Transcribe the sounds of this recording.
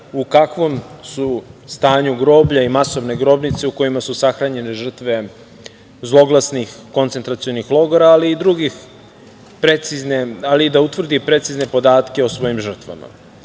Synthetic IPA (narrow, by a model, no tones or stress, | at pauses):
ukakʋo̞msust̪aːɲuɡɾo̞ːbʎaimaso̞ʋne̞ɡɾo̞bnit̪seuko̞jimasusaxɾaɲe̞ne̞ʐr̩t̪ʋe̞ | zlˠo̞ɡlˠasnixko̞nt̪sent̪ɾat̪sio̞nixlˠo̞ɡoɾaːliːd̪ɾuɡix | pɾet̪siznealid̪aut̪vr̩d̪ipɾe̞t̪sizne̞po̞d̪aːt̪ke̞osʋo̞ːjimʒr̩t̪ʋa̰ma̰